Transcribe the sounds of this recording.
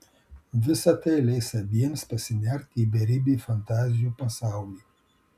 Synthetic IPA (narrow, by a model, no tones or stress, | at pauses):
vɨsat̪elejsabiɛnspesinʲart̪ibeɾibifant̪azjupasawli